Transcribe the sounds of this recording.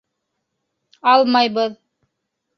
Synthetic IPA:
ɑlˠmɑjbɤð

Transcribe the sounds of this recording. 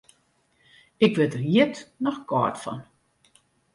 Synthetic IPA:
ɪkʋɪtəriətnɔxkɔ̰ːtfɔ̰n

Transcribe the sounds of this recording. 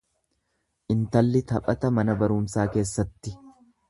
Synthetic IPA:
ʔɪnt̪ɐlːɪt̪ɐpʼɐt̪ɐmɐnɐbɐɾuːmsaːke̞ːsːɐt̪ːɪ

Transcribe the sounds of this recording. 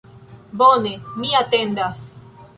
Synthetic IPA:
bonemiat̪end̪as

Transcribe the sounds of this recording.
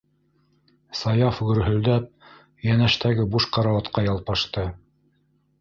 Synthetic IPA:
sɑjɑfɡɵ̆ɾɦɵ̆ld̪æp̚ | jænæʃt̪æɡɘbuʃqɑɾɑwɑt̪qɑjɑlˠpɑʃt̪ɤ

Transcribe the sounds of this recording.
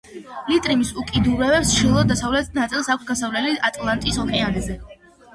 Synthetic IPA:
lit̪ʼɾimisukʼid̪uɾɛbɛpsʃilˠɔd̪d̪asavlɛt̪nat̪sʼilˠsak̚ʷʰsɡasavlɛliat̪ʼlˠant̪ʼisɔkʼɛanazɛ

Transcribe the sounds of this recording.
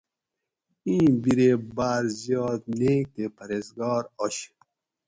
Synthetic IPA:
ĩːbiɾebaːɾzijɔːd̪nekepɐɾezɡɑːɾɔɕ

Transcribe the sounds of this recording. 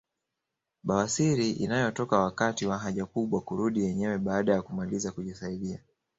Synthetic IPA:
ɓawasiɾiʔḭnajɔtɔkawakatiwaɦaʄakuɓwakuɾuɗijɛɲɛwɛɓaːɗajakumalizakuʄisaiɗia

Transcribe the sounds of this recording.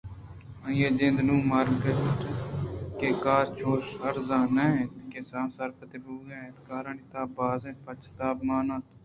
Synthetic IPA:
ãjeːd͡ʒɪ̃nd̪nũːmaːɾɡke | keːkaːɾt͡ʃʰoːʃɦɐɾzaːnẽt̪kesãːsɐɾpət̪ebuːɡẽːẽːt̪kaːɾaɳit̪aːbaːzẽːt̪̚pɐt͡ʃʰt̪aːbmaːnãːt̪

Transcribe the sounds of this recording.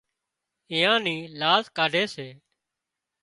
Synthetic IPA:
ɪ̃ːãːniːlaːzkaːɖʱeːseː

